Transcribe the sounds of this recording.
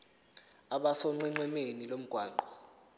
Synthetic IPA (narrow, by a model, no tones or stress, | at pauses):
aɓasɔŋ͡ǃɛŋ͡ǀɛmenilom̩ɡ̥ʱwaːŋ͡ǃʱɔ̥